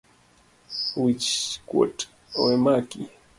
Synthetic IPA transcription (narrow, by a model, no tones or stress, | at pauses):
wit͡ʃko̰t | wemakḭ